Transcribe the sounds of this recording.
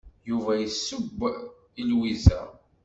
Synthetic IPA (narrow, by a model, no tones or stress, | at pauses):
juvæjəsːʊbː | ilwisæ̰